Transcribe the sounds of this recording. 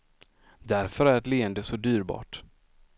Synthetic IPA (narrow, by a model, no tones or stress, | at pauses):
d̪æɾfœɾæɾɛt̪leːɛnd̪əsɔd̪yːɾbɑ̰ːʈ